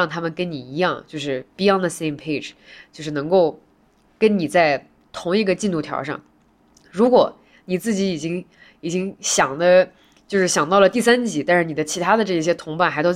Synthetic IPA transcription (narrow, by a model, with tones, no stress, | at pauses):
ŋt̪ʰa˥mə˨nkə˥nni˨˩i˧˥jɑ˥˧ŋt͡ɕjo˥˧ʊʂɻ̩˥˩pi˧˥jɑ˥˩ndðə˩se˥˧ɪmpʰe˥˩ɪʈ͡ʂt͡ɕjo˥˧ʂɻ̩˥˩nɤ˧˥ŋko˥˩ʊ | kə˥nni˨˩t͡sa˥˩ɪ | t̪ʰʊ˧˥ŋi˧˥ɡə˧t͡ɕi˥˧nt̪u˥˩t̪ʰjɑ̰˧˥ʊʂɑ̰˥˩ŋ | ɻu˧˥kwɔ˨˩˦ | ni˨˩t͡sɹ̩˥˩t͡ɕi˧˥i˨˩t͡ɕi˥ŋ | i˨˩t͡ɕi˥ŋɕjɑ˨˩ŋd̪ə˦ | t͡ɕjo˥˧ʊʂɻ̩˥˩ɕjɑ˨˩ŋt̪ɑ˥˩ʊlə˩t̪i˥˩sa˥nt͡ɕi˧˥t̪a˥˧nʂɻ̩˥˩ni˨˩d̪ə˦t͡ɕʰi˧˥t̪ʰa˥d̪ə˨ʈ͡ʂɤ˥˧i˥˩ɕjɛ˥t̪ʰʊ˧˥ŋpa˥˩nxt̪o˥